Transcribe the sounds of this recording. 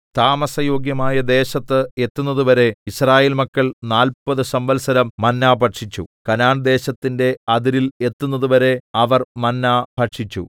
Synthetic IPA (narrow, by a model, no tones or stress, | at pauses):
t̪aːmɐsɐjo̞ːɡjɐmaːjɐd̪e̞ːɕɐt̪ːɨe̞t̪ːunːɐðuʋɐɾe̞israːjeːlmɐkːɐɭnaːlpɐðɨsɐmbɐlsɐɾɐmːɐnːaːbʱɐʈʂit͡ɕːṵkɐnaːɳd̪e̞ːɕɐt̪ːinde̞ɐðiɾile̞t̪ːunːɐðuʋɐɾe̞ɐʋɐrmɐnːaːb̥ʱɐʈʂit͡ɕːṵ